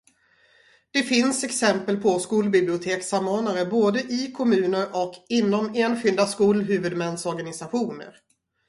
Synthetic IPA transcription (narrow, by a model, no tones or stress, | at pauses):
d̪̥ɛfɪnsɛksɛmpəlpʰɔskuːlbɪblɪʊt̪ʰeːksamːoːnaɾəboːd̪əʔɪkʰɔmʉ̟ːnəɾʔɔkɪnːɔmeːnɧʏld̪askuːlɦʉ̟ːvɵd̪mɛnsɔɾɡanɪsaɧuːnə̰ɾ